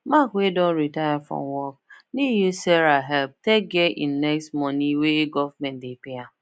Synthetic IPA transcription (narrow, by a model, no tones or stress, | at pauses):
makwedõnɾitajafɾɔ̰̃mwɔk̚nijisɛɾaɦɛlp̚tek̚ɡɛʔḭ̃nnɛkstmɔnĩweeɡɔvmɛ̃ndepea